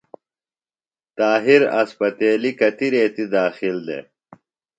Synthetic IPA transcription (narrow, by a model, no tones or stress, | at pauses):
t̪aːɦiɾɐ̰spɐt̪eːlikɐt̪iɾeːt̪id̪aːxild̪ḛ